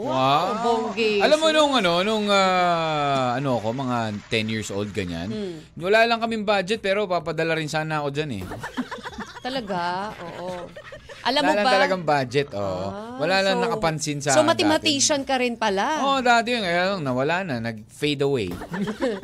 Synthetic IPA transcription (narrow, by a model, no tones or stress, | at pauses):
aboŋɡɪɐlammːonʊŋɐno̞nʊŋaː | ʔɐno̞ɐko̞mɐŋat̪ɛnjiɹsʔo̰wld̪̚ɡɐɲa̰n | wɐlaːlɐŋkɐmɪŋbad͡ʒɛt̪̚pɛːɾo̞papɐd̪ɐlaɾɪnsaːnɐɐko̞d͡ʒanɛ̰ | t̪ɐlɐɡaʔoːʔoʔɐlamːolɐŋt̪ɐlɐɡaŋbad͡ʒɛt̪ʔoːʔʔo̰wɐlaːlɐŋnɐkɐpɐnsɪnsɐsomɐt̪ɪmɐt̪iːʃɐnkɐɾɪnpɐlaʔoʔd̪aːt̪ɛjonkɐjaːlɐŋnɐwɐlanɐnɐɡ̚ | fejd̪ɐwɛ̰j